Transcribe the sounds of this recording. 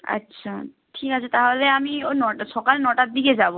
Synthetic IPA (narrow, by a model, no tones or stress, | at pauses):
ə̰tːɕʰa | ʈʰikat͡ɕʰat̪aɦoleamionɔʈsɔkalnɔʈat̪̚d̪iked͡ʑabo